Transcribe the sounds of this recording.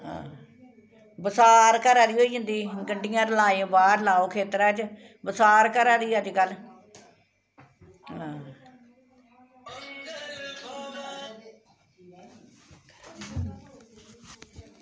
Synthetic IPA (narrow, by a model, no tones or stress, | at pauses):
ɦã̰ː | bəsaːɾkəɾaːɾiːɦoːiːd͡ʒʊ̃nd̪iːɡəɳɖɪjãːɾlaːẽbaːɾlaːoːkʰeːt̪ɾɛːt͡ʃ | bəsaːɾkəɾaːd̪iːəd͡ʒkəl | ɦãː